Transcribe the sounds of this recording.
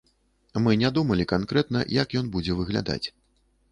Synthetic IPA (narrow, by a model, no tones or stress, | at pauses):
mɨnʲad̪umɐlʲikankɾɛt̪̚nɐ̰jakjɔnbud͡zʲɛvɨɣlʲa̰d̪a̰t͡sʲ